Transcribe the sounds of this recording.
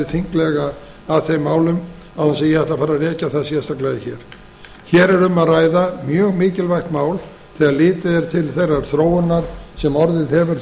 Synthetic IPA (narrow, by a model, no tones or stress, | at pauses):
ɪθiŋklɛɣaː | ðθejmːaːwlʏm | awansɛjɛhɛht̪afaːɾarɛːcaθaðsjɛst̪aklaðɪçɛɾ̥ | çɛːɾɛɾʏmaðraːjðamjœːɣmɪːcɪlvajxt̪maːwl | θɛɣaðlɪːt̪ɪðɛɾ̥t̪ʰɪlθejrːaɾ̥θɾoːwʏnːaɾ̥sɛmɔɾðɪðhɛvɪɾ